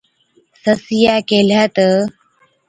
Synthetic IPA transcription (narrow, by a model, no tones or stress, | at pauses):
səsijaːkelat̪ə